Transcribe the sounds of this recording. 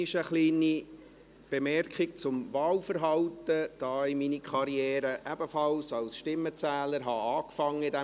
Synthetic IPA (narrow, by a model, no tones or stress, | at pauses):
ɪʃəχliːni | b̥emɛrkχɪk̚t͡sʊmvɑːlfəɾɦɑwtəd̥ɑːiminikʰχɑɾiɛːɾəʔæbəfɑlsɑlsʃtɪmːət͡sæːləɾɦɑɑːkfɑŋːəɪdɛ